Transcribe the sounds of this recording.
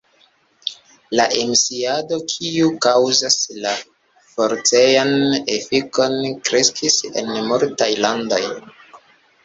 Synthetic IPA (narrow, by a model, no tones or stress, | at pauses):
laʔemsiado̞kʰiukawzasla | fo̞ɾt͡sejane̞fiko̞nkɾe̞skʰise̞̰nmuɾtajlando̞j